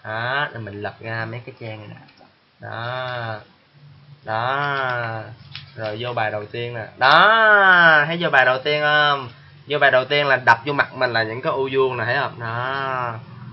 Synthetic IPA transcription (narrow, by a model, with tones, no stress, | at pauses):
ʔaː˨˩˦ɗə˨˩mï˨˩ŋ̟lə˨˩p̚ɣaː˧mə˨˦jkaː˨˦jt͡ɕɛ˧ŋə˨˩ɗa̰˨˩ | ɗɔ̰˨˦ | ɗɔ˨˦ | zo˨˩jzo˧ɓaː˨˩jɗə˨˩wt̪i˧ənnaː˨˩ɗɔ˨˦ | ha˨˦jzo˧ɓaː˨˩jɗə˨˩wt̪i˧ənʔəː˧m | zo˧ɓaː˨˩jɗə˨˩wt̪i˧ənlaː˨˩ɗa˨˩k͡p̚t͡ɕɔ˧ma˨˩k̚mï˨˩ŋ̟laː˨˩ɲɨ̰˧˥ŋkaː˨˦jʔu˧zu˧əŋna˨˩ha˨˦jhə˧wŋ͡mɗɔ˨˦